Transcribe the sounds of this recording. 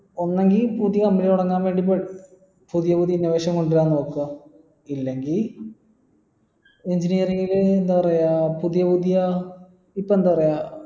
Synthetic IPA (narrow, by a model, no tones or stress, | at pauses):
o̞nːe̞ŋɡilpuðijɐkɐmːilluɽɐŋːaːnʋe̞ːɳɖip̬ːeɽ | puðijɐpuðijinːɐʋeːɕɐmko̞ɳɖiɾaːnːo̞ːkːuɣɐ | ilːe̞ŋɡil | eɲd͡ʑinijɐriŋɡilend̪apɐrejaːpuðijɐpuðijɐ | ipːoend̪apɐrejaː